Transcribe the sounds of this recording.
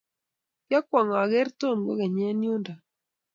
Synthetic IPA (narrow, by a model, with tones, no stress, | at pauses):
ja˦kwa˨ŋa˨ɣɛ˦ɾto˦˨nɡo˦ɣɛ˨ɲɛ˦nju˦nda˨